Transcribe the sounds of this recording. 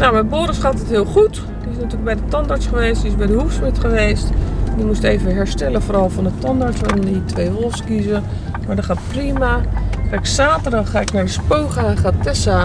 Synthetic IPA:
nawmɛjboːɾəsχaːtətɦiəlˠχut | diɪsnatyːləɡ̚bɛjdətɔndaɹsχəʋeːstdiɪsbɛjdəhufsmɪtχəʋeːstdimusteːvəɦɛɹstɛləvoːrɔlˠfɔndətɔndaɹsɔnitʰʋeːʋolˠskizə | maːɹdɔχaːtprimaxaːɪksaːtəraxaːɪknaɹdəspoːxaːχaːtɛsa

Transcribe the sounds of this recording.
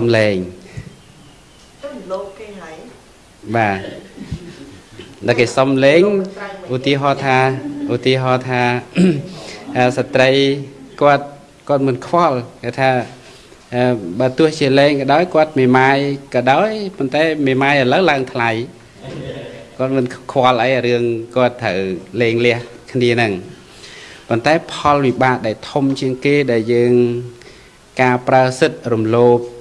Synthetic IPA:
smlɛːŋ | kːj | ɓaː | nakeːsɑmlɛːŋʔut̪iəɦɑːt̪ʰaːʔut̪iəɦɑːt̪ʰaː | ʔəsat̪rəjkŏət̪̚ | kŏət̪̚mɨənkʰʋɑlkeːt̪ʰaː | ʔəːɓaːt̪ʊ̆əht͡ɕiəlɛːŋkɑːɗaɔjkŏət̪̚meːmaːjkɑːɗaɔjpont̪aɛmeːmaːjʔələwlaəŋt̪ʰlaj | kŏət̪̚mɨnkʰʋaəlʔəjɾɨəŋkŏət̪ʰːəwlɛːŋlɛ̆əhkʰniənɨŋ | pont̪aɛpʰɑlʋiɓaːt̪̚ɗaɛlt̪ʰumt͡ɕiəŋkeːɗaɛljəːŋ | kaːpraəsɨt̪̚rumloːp̚

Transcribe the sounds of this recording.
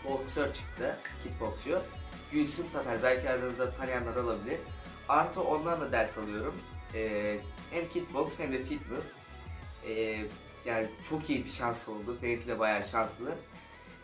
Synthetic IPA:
boksøɾt͡ʃʰɯ̥kt̪ʰɯcʰit̪boksujo | ɟynʲsynsʰat̪ʰaɾbælʲcʰiaɾd̪ɯɯnɯzat̪ʰanijanlˠaɾalˠabilʲiɾ̥ | aɾt̪ʰɯo̞nlˠaɾd̪ˠad̪æɾsalˠɯjo̞ɾumɛːhæmcʰit̪̚bokshɛmd̪ɛfit̪nɯs | ɛː | jaːnɪt͡ʃʰo̞kijibiʃanso̞lˠd̪ubɛlʲcʰilʲɛbajaːʃanslˠɯ

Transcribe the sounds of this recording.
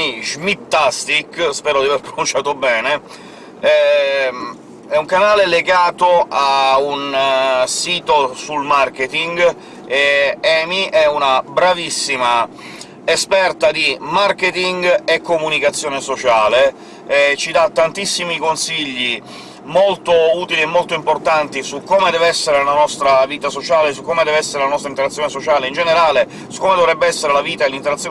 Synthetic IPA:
iʒmit̪ːast̪ikspɛːɾod̪iaveɾpɾonunt͡ʃaːt̪obɛːne | ɛ | ɛuŋkanaːleleɡaːt̪oaunsiːt̪osulmark̟et̪iŋɡ | eɛmiʔɛunabɾavisːima | espɛrt̪ad̪imarket̪iŋɡekːomunikat̪sːjoɔːnesot͡ʃaːle | ɛt͡ʃid̪at̪ːant̪isːimikonsiʎːi | molt̪ouːt̪iliemːolt̪oimport̪ant̪isukːoːmed̪ɛːveɛsːeɾellanɔst̪ɾaviːt̪asot͡ʃaːlesukːoːmed̪ɛːvɛsːeɾelanɔst̪ɾaint̪eɾat̪sːjoːnesot͡ʃaːleind͡ʒeneɾaːle | su̥kːoːmed̪ovɾɛbːeɛsːeɾelaviːt̪aelːint̪eɾat̪sjo

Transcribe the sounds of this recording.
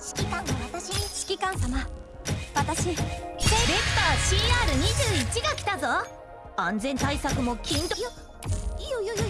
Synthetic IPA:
ɕi̥kʲikãnaβat̪aɕiɕi̥kʲikãɰ̃sama | βat̪aɕi | ɾe̞t̪aːɕiːaːɾɯ̟ɲ̟iʑɨːit͡ɕiɡakʲi̥t̪azo | ãnd͡zẽ̞nt̪aisakɯ̟mo̞kʲʰĩnt̪o | ioj

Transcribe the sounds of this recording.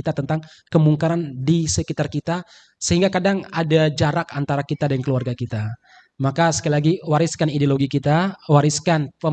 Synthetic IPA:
it̪at̪ənt̪aŋ | kəmuŋkaɾandisəkit̪arkit̪a | səɦiŋɡakadaŋadad͡ʒaɾakant̪aɾakit̪adankəluarɡakit̪a | makasə̥kalilaɡiwaɾɪskanideoloɡikit̪awaɾɪskanpə

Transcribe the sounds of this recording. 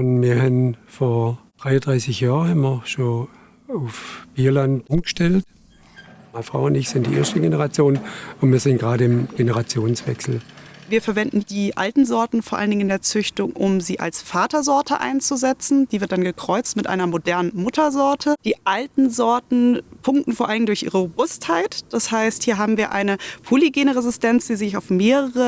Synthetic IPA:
ʊnmiːɐhanfoːɐd̥ʁaɪɐd̥ʁaɪsɪçjaːʁhammɐɐʃoː | aʊfb̥iːɐlantʔʊmɡəʃtɛlt | maɪnəfʁ̥a̰ʊʊndɪçz̥ɪntd̥ḭːʔḛːɐʃtəɡenəʁat͡sjoːnʊntmiːɐzɪntɡ̥ʁaːɾəɪmɡ̥enəʁat͡sjoːnsv̥ɛ̰ksl̩viːɐfɛɐvɛndn̩d̥iːʔa̰ltn̩zɔɐtn̩foːɐʔaləndɪŋ̩ɪndeːɐt͡sʏçtʊŋʔʊmziːʔa̰lsfaːtɐzɔɐtʰə̰ʔa̰ɪnt͡suzɛt͡sn̩diːvɪɐt̚d̥anɡəkʁ̥ɔʏt͡stmɪtʔa̰ɪnɐmodɛɐnənmʊtʰɐzɔɐtʰəd̥iːʔaltn̩zɔɐtn̩pʰʊŋk̚tn̩foːɐʔalɪŋndʊɐçʔḭːʁəʁobʊsthaɪtd̥ashaɪsthiːɐɦaːbm̩viːɐʔa̰ɪnəpʰoliɡeːnəʁezɪstʰɛnt͡sd̥iːzɪçaʊfmeːʁəʁə

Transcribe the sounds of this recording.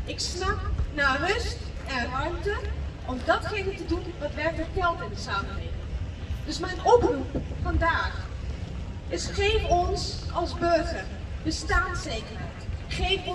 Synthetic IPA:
ɪksnɑp̚naːrɵst | ɛnɑɹmtəʔɔmdɑtχejnətədunʋɑtʋɛɹtəɹtɛlˠtɪndəsaːmənleːkɪŋdɵsmɛjnɔprupfɑndaːχ | ɪsχejfɔnsʔɑlˠzbøɹχərbəstaːnsejkərɦɛjtχejfɔ

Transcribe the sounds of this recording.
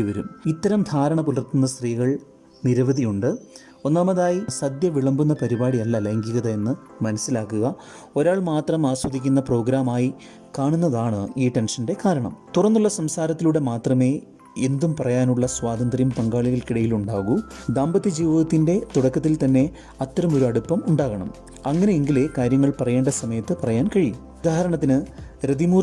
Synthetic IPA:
iʋɐɾumit̪ːɐɾɐmd̪ʱaːɾɐɳɐpulɐrt̪unːɐst̪riːɣɐɭ | niɾɐʋɐðijuɳɖɨ | o̞nːaːmɐðaːjisɐd̪jɐʋiɭɐmbunːɐpɐɾibaːɽiɐlːɐleŋɡiɣɐðɐe̞nːɨ | mɐnɐsːilaːkːuɣɐ | oɾaːɭmaːt̪rɐmaːswɐd̪ʱikʲːunːɐpro̞ːɡɾaːmaːji | kaːɳunːɐðaːɳɨiːʈe̞nʂɐnde̞kaːɾɐɳɐ̰mt̪urɐnːuɭːɐsɐmsaːɾɐt̪ːiluɽemaːt̪rɐme̞ː | end̪umpɐrɐjaːnuɭːɐswaːd̪ɐnd̪rijumpɐŋɡaːɭiɣɐlkiɽɐjiluɳɖaːɣud̪aːmbɐt̪ːid͡ʑiːʋiðɐt̪ːinde̞t̪uɽɐkːɐt̪̬ːilt̪ɐnːe̞ | ɐt̪ːɐɾɐmo̞ɾuɐɽupːɐmuɳɖaːɣɐɳɐ̰m | ɐŋːɐneeŋɡilekaːɾjɐŋːɐɭpɐrɐje̞ːɳɖɐsɐmɐjɐt̪ːɨpɐrɐjaːnkɐɻiju | ud̪aːhɐɾɐɳɐt̪ːinɨɾɐd̪imuː

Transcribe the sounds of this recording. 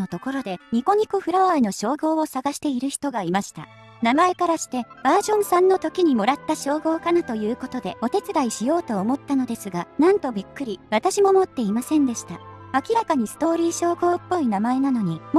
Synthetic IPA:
ot̪o̞ko̞ɾo̞d̪e̞ɲ̟iko̞ɲ̟ikoɸɯ̟ɾaβaino̞ɕo̞ːɡo̞ːosaɡaɕi̥t̪e̞iɾɯ̟çi̥t̪o̞ɡaimaɕi̥t̪a̰ | namae̞kaɾaɕi̥t̪e̞b̥aːʑõ̞ɰ̃sãnːo̞t̪o̞kʲiɲ̟imo̞ɾat̪ːaɕo̞ːɡo̞ːkanat̪o̞jɯ̟ːko̞t̪o̞d̪e̞o̞t̪e̞t͡sɨɾaiɕijo̞ːt̪o̞ːmo̞t̪ːano̞d̪e̞sɨɡanãnt̪o̞bʲikːɯ̟ɾʲiβat̪aɕimo̞mo̞t̪ːe̞imasẽ̞nd̪e̞ɕi̥t̪aakʲiɾakaɲ̟isɨ̥t̪o̞ːɾʲiːɕo̞ːɡo̞ːpːo̞inamae̞nano̞ɲ̟im

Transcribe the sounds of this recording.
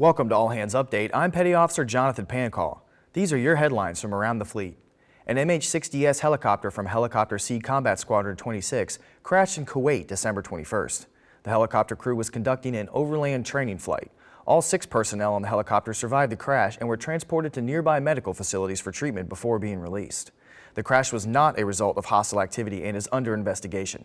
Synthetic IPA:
wɛlˠkə̃mtəɔlˠɦæ̃ndzʌp̚d̥eɪɾã̰ɪ̃mpʰɛɾiɔfə̥sə˞d͡ʒɑnəθɨ̃npʰæ̃nkʰɔ̰lˠ | ðizə˞jə˞ɦɛdˡlãɪ̃nz̥fɹʌ̃mə˞ãʊ̃nðəflit̚ | ʔɨ̃nɛ̃meɪt͡ʃsɪksd̥iɛshɛlˠəkʰɑp̚tə˞fɹʌ̃mɦɛlˠəkʰɑp̚tə˞sikʰɑ̃mbætskwɑɾətʰw̥ɛ̃ɾ̃isɪks | kʰɹ̥æʃɨ̃nkʰoeɪt̚d̥ɨsɛ̃mbə˞tʰwɛ̃ɾ̃ifɜ̰˞s | ðɨhɛlˠəkʰɑp̚tə˞kʰɹ̥ʉwʌz̥kɨ̃n̩dʌk̚tɪ̃ŋɨ̃no̰ʊvə˞læ̃ntʰɹ̥ẽɪ̃nɪ̃ŋfla̰ɪɾ̚ | ʔɔlˠsɪkspʰɜ˞sɨnɛlˠə̃nðəɦɛlˠəkʰɑp̚tə˞sə˞vaɪvd̪ðɨkʰɹ̥æʃɨ̃nwə˞tʰɹ̥æ̃nspʰɔɹɾɨd̚tʰɨnɪɹbaɪmɛɾɨkl̩ˠfəsɪlˠəɾiz̥fə˞tʰɹ̥it̚mɨ̃nb̥əfɔɹbiɪ̃ŋɹilḭs | ðɨkʰɹ̥æʃwʌznəɾʔɨɹɨzʌlˠtʌv̥hɑstl̩ˠæk̚tʰɪvɨɾiʔɨ̃nɨzʌ̃ndə˞ɨ̃ɱvɛstɨɡeɪʃɨ̰̃n

